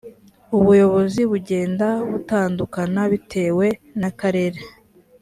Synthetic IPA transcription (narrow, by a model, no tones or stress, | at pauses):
uβujo̞βo̞ziβuɟe̞ːndaβutaːndukanaβitʰe̞ːwe̞nakaɾe̞ɾe